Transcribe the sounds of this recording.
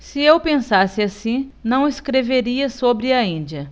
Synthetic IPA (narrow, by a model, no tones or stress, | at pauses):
sɪewpẽsasɪasĩnɐ̃w̃ɪskɾeveɾiɐsobɾɪɐĩd͡ʒiɐ